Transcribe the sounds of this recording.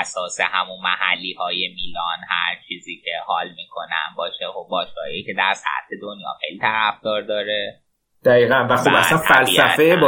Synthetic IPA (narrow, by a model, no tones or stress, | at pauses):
æsɒːsḛhæmunmæhælːiːhɒːjemiːlɒnhæ̰ɾt͡ʃʰiːziːcʰehɒːlmiːkʰonæ̰nbɒːʃexobbɒːʃɡɒ̰ːiice̞d̪æɾsæ̰t̪ʰe̞d̪onjɒ̰ːxejliːt̪ʰæɾæfd̪̥ɒːɾd̪ɒːɾe | d̪̥æiːɣænvæxobæ̰sænfælsæfejeb